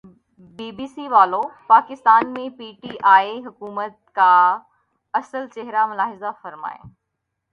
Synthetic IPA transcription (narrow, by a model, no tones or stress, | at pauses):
biːbiːsiʋaːlopaːkɪst̪aːnmẽpiːʈiːʔaːiɦʊkuːmət̪̚ka | ɐsəlt͡ɕɛɦɾamʊlaːɦɪzafɐɾma̰ːḛ̃ː